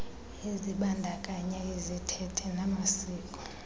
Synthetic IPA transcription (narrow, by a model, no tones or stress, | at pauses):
eziɓandʱakʼaɲɛezitʰɛtʰɛnamasiːkʼɔ̥